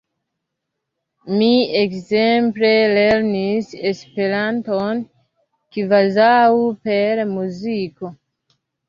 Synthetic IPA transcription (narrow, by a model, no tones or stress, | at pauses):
miekzemple̞le̞ɾnisespe̞ɾanton | kivazaupe̞ɾmuziko